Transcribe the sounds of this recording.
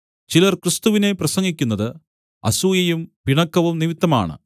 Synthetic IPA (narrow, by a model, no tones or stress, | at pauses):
t͡ɕilɐrkrɨst̪uʋine̞prɐsɐŋɡikʲːunːɐðɨ | ɐ̰suːjɐjumpiɳɐkːɐʋumniʋit̪ːɐma̰ːɳɨ̰